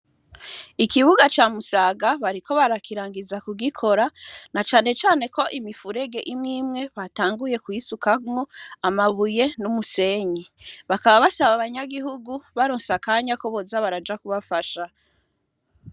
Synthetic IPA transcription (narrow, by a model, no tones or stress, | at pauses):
ikiβuɡat͡ʃaːmusaːɡaβaɾikʰo̞βaɾakiɾaːŋɡizakuɡikʰo̞ɾanat͡ʃaːne̞t͡ʃaːne̞ko̞ʔimifuɾe̞ɡe̞ʔimŋiːmŋe̞βataːŋɡuje̞kuisukamŋo̞amaβuje̞numuse̞ɲiβakaβaβasaβaβaɲaɡiɦuɡuβaɾoːnsakaːɲako̞βozaβaɾad͡ʒakuβafaʃa